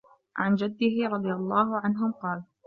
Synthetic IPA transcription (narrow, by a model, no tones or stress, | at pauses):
ʕand͡ʒad̪ːɪɦɪɾˤɑd̪ˤɨjalˤːɑːhʊʕanɦʊmqɑːl